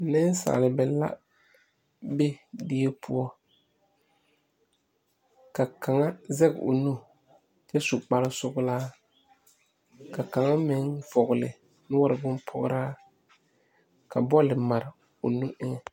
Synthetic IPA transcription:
nɪ˦n˦sa̰ː˨lɪ˨bɛ˨la̰˦ | be˦dɪ˦e˦pʰʊ˦ɔ˦ | ka˨ka˨ŋa˦zɛ˦ɡɪ˨ʊ̰˨nu˦ | t͡ʃɛ˦su˨k͡pa˨lɪ˦sʊ˦ɣʊ˦laː˦ | ka˨ka˨ŋa˦mɪ˨˦ŋfɔ˨ɣʊ˨lɪ̰˨ | nʊ˦wa˦ɾɪ˨bʊ˦npʰɔ̰˦ɣ̰ɾaː˦ | ka˨bɔ˦lɪ˨ma˨ɾɪ˨ | ʊ̰˨nu˦ʔɪ˦ŋɛ˨

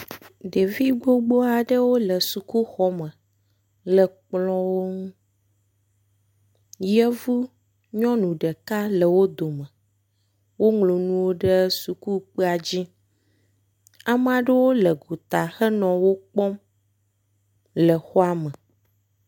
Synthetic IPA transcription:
ɖe˨vi˦ɡ͡bo˦ɡ͡bo˦a˨ɖə˦wo˦lə˨su˨ku˦xɔ˦mə̃˨ | lə˨k͡plɔ̃˦wo˦ŋũ˦ | jɛ˦vu˦ | ɲɔ̃˦nũ˨ɖə˨ka˦lə˨wo˦d̪o˨mə˨ | wo˦ŋlo˨nũ˦wo˦ɖə˦su˨ku˦k͡pə˦a˨d͡ʑi˦ | a˨m˦a˨ɖə˦wo˦lə˨ɡu˨t̪a˨xə˦nɔ̃˨wo˦k͡pɔ˦m | lə˨xɔ˦a˦mə˨

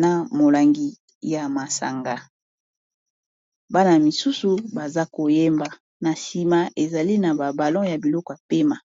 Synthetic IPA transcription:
na˨mo˨la˨ŋɡi˨ | ja˨ma˨sa̰˨ŋɡa˦ | ba˦na˨a˨mi˨su˦su˨ba˨za˦ko˨je˦mba˨ | na˨si˨ma˨ʔe˨za˨li˦na˨ba˨ba˨lɔ̃˦ja˨bi˨lɔ˦kɔ˨ja˨pe˦ma˨

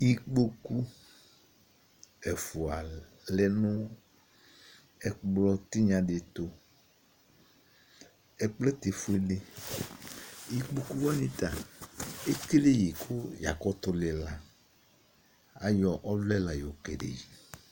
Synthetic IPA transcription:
ji˦k͡po˦ku˦ | ɛ˨fu˨a˨ | lɛ˦nʊ̃˦ | ɛ˨k͡plɔ˦t̪i˦ɲã˨ɖe˨t̪o˦ | ɛ˦k͡plɛ˦t̪e˨fu˦e˦le˦ | ji˦k͡po˦ku˦wɔ˦nĩ˦t̪a˨ | e˦ke˦le˦ji˨kʰo˦ja˨kɔ˦t̪ɔ˨le˨la˨ | a˨jɔ˨ʔɔ˦vlɛ˦la˨jo˨kɛ̰˨ɖḛ˨ji˨

